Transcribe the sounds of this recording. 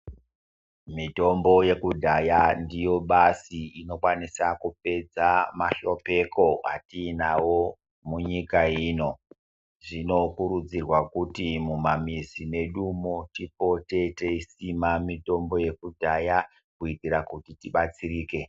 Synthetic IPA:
mito̞mbo̞je̞kudʱajandijo̞ɓasiino̞kwanisakup̚e̞d͡zamaʃo̞pe̞ko̞a̰tiːnawo̞ | muɲikaiːno̞ | ʐino̞kuɾud͡zirwakutimumamizine̞ɗumotipo̞te̞teisimamito̞mbo̞je̞kudʱaja | kuitiɾakutitiɓat͡siɾiːke̞

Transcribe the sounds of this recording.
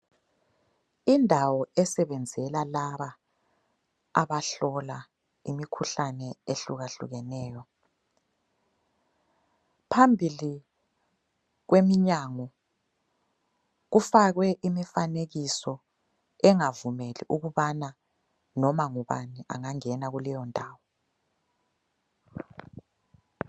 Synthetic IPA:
indʱawɔɛsɛβɛnd͡zʱɛlalaβa | a̰βaɬɔla | imikʰuɬanɛeɬuɣaɬṵɣɛnɛːjɔ | pʰambʱili | ɣ̬wemiɲaːŋɔ | ɣufaɣwɛʔimifaneɣisɔ | ɛŋavumelḭʔuɣuβana | nɔmaŋuβa̰niʔa̰ŋaŋɛnaɣulɛjɔndʱaːwɔ

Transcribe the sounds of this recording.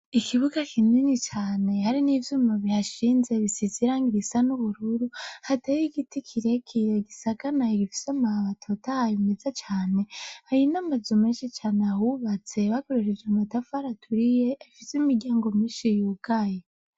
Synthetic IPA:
ikʰiβuɡakʰininit͡ʃaːne̞haɾinivjuːmaβiaʃiːnze̞βisiziɾaːŋɡiɾisanuβuɾuɾuhatajiɡitikʰiɾekʰiɾeɡisaɡanaeɡifi̥samaaβatʰotahajimezat͡ʃaːne̞hajinamazumeːnʃit͡ʃaːneahuβat͡se̞βakoɾeɾevematafaɾatʰuɾijeaifisemiɾɟʲaːŋɡomiːʃijuɡ̥aje

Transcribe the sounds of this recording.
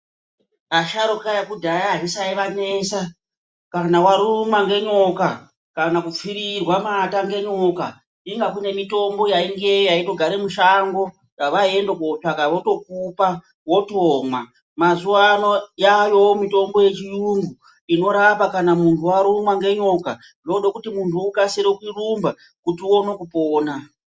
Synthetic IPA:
aʃaɾokajakudʱajaɦaʐisaiʋaneːsa | kanawaɾumwaŋɡe̞ɲo̞ka | kanakup͡fiɾirwamataŋɡe̞ɲo̞ka | iŋɡakune̞mito̞mbo̞jaiŋɡe̞jojaito̞ɡʱaɾemuʃaŋɡo̞ | jaʋae̞ndokot͡ʃakaʋoto̞k̚upa | wo̞toːmwa | mazuano̞jajo̞mito̞mbo̞je̞t͡ʃijuŋɡu | ino̞ɾapakanamuntʰuwaɾumwaŋɡe̞ɲo̞ka | oɗokutimuntʰuːkaseɾekwirumba | kutio̞nokupoːna

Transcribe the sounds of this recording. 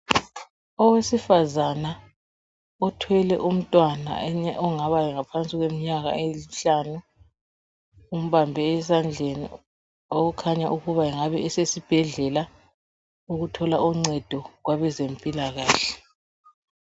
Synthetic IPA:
ɔwesifazana | ɔtʰwɛlɛ̰ʔum̩tʼwana̰ɛɲɛʔɔŋaβajɛŋapʰant͡sʼiɣwem̩ɲaɣa̰eliɬaːnu | um̩βambʱɛɛsand͡ɮʱenḭ | oɣukʰaɲaʔuɣuβaɛŋaβɛɛsesib̥ʱɛɮɛla | uɣutʰɔlaʔuŋ͡ǀɛd̥ʱɔɣwaβɛzempʼilaɣaːɬɛ̥

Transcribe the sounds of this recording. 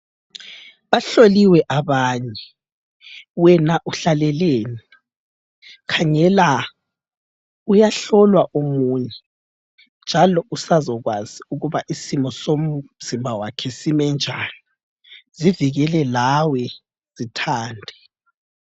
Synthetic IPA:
βaɬoliwɛʔaβaːɲɛ | wɛnaʔuɬalɛleːni | kʰaŋɛla | ujaɬɔlwaʔomuːɲɛ | nd͡ʒʱalɔʔusazɔɣwaz̥iuɣuβaʔisimɔsomz̥imbʱawakʰɛsimɛnd͡ʒʱani | ziviɣɛlɛlawɛ | z̥itʰaːndʱɛ

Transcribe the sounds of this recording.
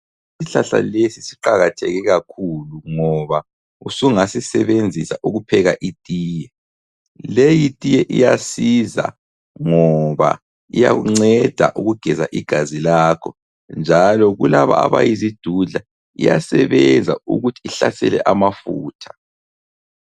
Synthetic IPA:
isiɬaɬa̰lesisiǃaɣatʰɛɣɛɣakʰuluŋɔβa | usuŋasisɛβend͡zʱisaʔuɣupʰɛɣaʔitʼiːjɛ | lejitʼijɛʔḭjasiza̰ | ŋɔβa̰ | ija̰ɣuŋ͡ǀɛd̥ʱa̰ʔuɣuɡ̥ʱɛza̰ʔiɡ̥ʱazilaːkʰɔ | nd͡ʒʱalɔɣulaβa̰a̰βajizid̥ʱuɮa | ḭjasɛβɛnd͡zʱauɣutʰiːɬasɛlɛ̰ʔamafuːtʰḁ

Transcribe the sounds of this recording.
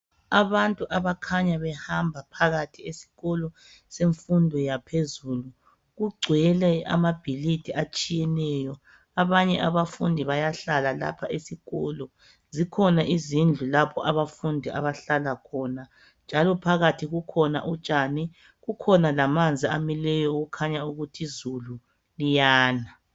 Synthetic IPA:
aβantʼuʔaβakʰaɲaβɛhambʱapʰaɣatʰiesi̥ɣɔlɔ | seɱfundʱɔjapʰezuːlu | ɣuɡ͡ǀʱwɛlɛa̰mab̥ʱilidʰʱiʔat͡ʃʼijɛnɛjɔ | aβaɲɛʔaβafundʱiβajaɬalala̰pʰaʔesiɣɔlɔ | zikʰɔnaʔizind͡ɮʱulapʰɔʔaβafundʱiʔa̰βaɬalakʰɔːna | nd͡ʒʱalɔpʰaɣatʰiɣukʰɔna̰ʔut͡ʃʼani | ɣukʰɔnalamand͡zʱiamilɛjɔuɣukʰaɲauɣutʰizulu | lijaːna

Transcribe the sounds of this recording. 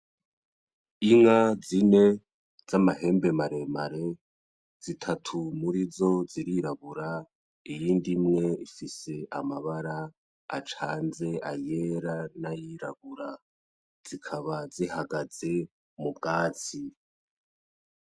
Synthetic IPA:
iŋazine̞ | z̥amahe̞ːmbe̞maɾe̞maɾe̞ | z̥itʰatʰumuɾizo̞ziɾiɾaβuɾa | ijiːndimŋe̞ifise̞ʔa̰maβaɾa | a̰t͡ʃaːnze̞aje̞ɾanajiɾa̰βuɾa | z̥ikʰaβazihaɡaze̞ | mubɡaːt͡si

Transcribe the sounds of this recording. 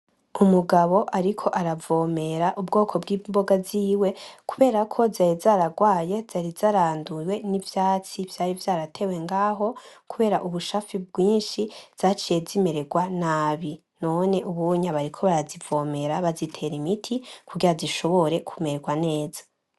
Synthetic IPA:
umuɡaβo̞ʔaɾikʰo̞ʔaɾavo̞ːme̞ɾaʔub̚ɡo̞ːkʰo̞bɡiːmbo̞ɡaziːwe̞kuβe̞ːɾakʰo̞zajizaːɾaɡwaːje̞z̥aɾizaɾaːnduwe̞nivjaːt͡sivjaːɾivjaːɾatʰe̞we̞ŋɡaːɦo̞kuβe̞ːɾaʔuβuʃafib̚ɡwiːnʃi̥z̥aːt͡ʃijezime̞ɾeɡwanaːβi | no̞ne̞ʔuβuɲaβaɾikʰo̞βaɾazivo̞ːme̞ɾaβazitʰe̞ɾimitʰikuɡiɾaziʃo̞βo̞ɾe̞kʰume̞ɾeɡwane̞ːzḁ

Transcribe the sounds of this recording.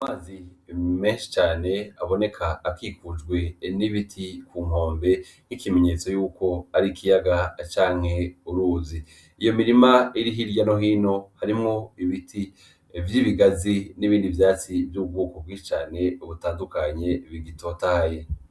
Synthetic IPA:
amaːzime̞ːnʃi̥t͡ʃaːne̞aβo̞ne̞kʰaːkikud͡ʒɡwe̞niβitʰikuːŋ̥o̞ːmbe̞ | nikime̞ɲe̞t͡so̞juːko̞aɾikʰijaɡat͡ʃaːŋ̥he̞uɾuːzi | ijo̞miɾimaiɾiɦiɾjano̞ɦiːno̞haɾimŋo̞iβitʰi | vjiβiɡaziniβiːndivjaːt͡sivjub̚ɡuːkob̚ɡwĩːʃi̥t͡ʃaːne̞uβutaːndukaɲe̞βiɡito̞taje̞

